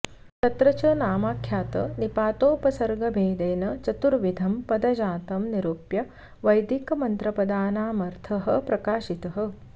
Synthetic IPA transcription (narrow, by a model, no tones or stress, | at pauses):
t̪ɐt̪ɾɐt͡ʃɐnaːmaːkʰjaːt̪ɐ̰nipaːt̪oːpɐsɐɾɡɐbʱeːd̪eːnɐt͡ʃɐt̪uɾʋid̪ʱɐmpɐd̪ɐd͡ʒaːt̪ɐmniɾupjɐ | ʋɐjd̪ikɐmɐnt̪ɾɐpɐd̪aːnaːmɐɾt̪ʰɐɦɐ̆pɾɐkaːʃit̪ɐɦɐ̆